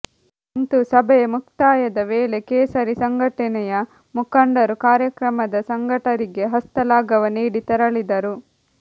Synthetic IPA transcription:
int̪usɐbʱɛjɐmuk̚t̪aːjɐd̪ɐʋeːle̞keːsɐɾisɐŋɡʱɐʈɐnɛjɐ | mukɐɳɖɐɾukaːɾjɐkɾɐmɐd̪ɐsɐŋɡʱɐʈɐɾiɡe̞ɦɐst̪ɐlaːɡɐʋɐniːɽit̪ɐɾɐɭid̪ɐɾu

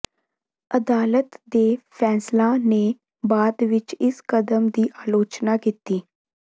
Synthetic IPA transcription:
əd̪aːlət̪d̪eːpʰɛːslãne | baːd̪ʋɪt͡ʃɪskəd̪əmd̪iːʔaːloːt͡ʃnakit̪iː

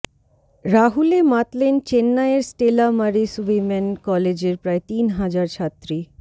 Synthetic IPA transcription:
ɾaɦulemat̪lent͡ɕenːaeɾsʈelamaɾisuʋemɛnkɔled͡ʑeɾpɾaet̪inɦad͡ʑaɾt͡ɕʰat̪ːɾi

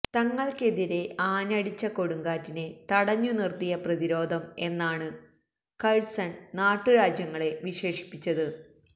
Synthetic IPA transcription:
t̪ɐŋːɐɭke̞ðiɾe̞aːnɐɽit͡ɕːɐko̞ɽuŋɡaːtːine̞t̪ɐɽɐɲːunirt̪ijɐprɐðiɾo̞ːd̪ʱɐme̞nːaːɳɨ | kɐɻsɐɳnaːʈːɨɾaːd͡ʑjɐŋːɐɭe̞ʋiɕe̞ːʂi̥pːit͡ɕːɐðɨ

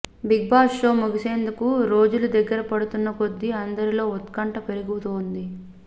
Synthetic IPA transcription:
biɡ̚baːso̞ːmuɡise̞ːnd̪ukuɾo̞ːd͡ʒulud̪ɐɡːɐɾɐpɐɽut̪unːɐpo̞d̪ːiɐnd̪ɐɾilo̞ːɔt̪kɐɳʈɐpe̞ɾuɡuut̪oːnd̪i

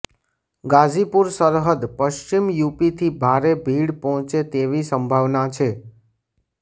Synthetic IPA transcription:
ɡad͡ʒipuɾsəɾɦəd̪pəʃt͡ʃimjupit̪ʰibʱaɾebʱiɽpɔɦɔ̃t͡ʃet̪eʋisəmbʱaʋnat͡ʃʰe

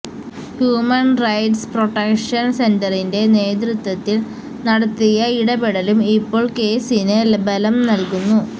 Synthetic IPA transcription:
hjuːmɐnrɐjʈspro̞ʈːɐkʂɐnse̞ndɐrinde̞ne̞ːd̪rut̪wɐt̪ːil | nɐɽɐt̪ːijɐiɽɐbeɽɐlumipːo̞ːɭke̞ːsinɨlbɐlɐmnɐlkunːu

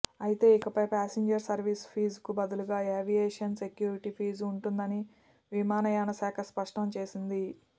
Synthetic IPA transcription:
ɐjit̪e̞ːikɐpɐjpaːsiɲd͡ʒɐɾsɐɾʋispʰiːzkubɐd̪uluɡaːeːʋijeːʂɐnse̞kjuːɾiʈipʰiːzuɳʈund̪ɐni | ʋimaːnɐjaːnɐsaːkʰɐspɐʂʈɐmt͡ʃe̞ːsind̪i

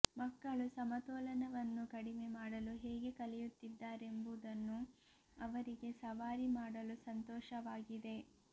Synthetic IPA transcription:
mɐkːɐɭusɐmɐt̪ɔːlɐnɐʋɐnːukɐɽime̞maːɽɐluɦɛːɡe̞kɐlɛjut̪ːid̪ːaːɾe̞mbud̪ɐnːu | ɐʋɐɾiɡe̞sɐʋaːɾimaːɽɐlusɐnt̪ɔːʃɐʋaːɡid̪e̞

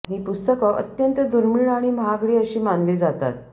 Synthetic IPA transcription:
ɦiːpust̪əkəʔə̰t̪jənt̪əd̪uɾmiɭaɽ̃iməɦaɡɽiːəɕiːmãnd̪liːd͡zat̪a̰t̪̚

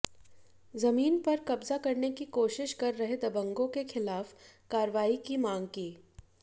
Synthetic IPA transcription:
zɐmiːnpɐɾkɐbzakɐɾnekikoːʃɪʃkɐɾːɐɦed̪ɐbə̃ŋɡõkexɪlaːfkaːɾʋaːikimãːŋɡkiː

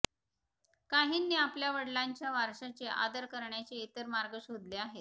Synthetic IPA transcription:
kaɦiːnːiːapljaʋəɽlaɲt͡ɕjaʋaɾʂat͡ɕeʔa̰d̪əɾkəɾɳjat͡ɕeit̪əɾmaɾɡəɕod̪leaɦet̪

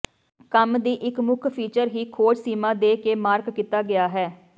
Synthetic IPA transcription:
kəmd̪iːʔɪkmʊkʰpʰiːt͡ʃəɾɦiːkʰoːd͡ʒsiːmãːd̪eːkeːmaːɾkːit̪aːɡɪaːɦɛː

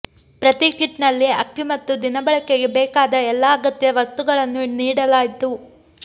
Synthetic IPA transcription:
pɾɐt̪ikiʈnɐlːiɐkːimɐt̪ːud̪inɐbɐɭɐkeɡebɛːkaːd̪ɐɛlːaːɡɐt̪jɐʋɐst̪uɡɐɭɐnːuniːɽɐlaːjit̪u

